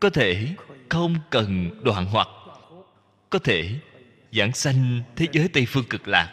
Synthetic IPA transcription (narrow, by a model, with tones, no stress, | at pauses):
kɔ˨˦t̪ʰe˧˩xə˧wŋ͡mkə˨˩nɗwaː˧˨nɦwa˨˩k̚ | kɔ˨˦t̪ʰe˧˩ | za̰ː˧˩ŋsa˧jŋ̟t̪ʰe˨˦zəː˨˦jt̪ə˧jfɨ˧əŋkɨ˨˩k̚la̰ː˨˩k̚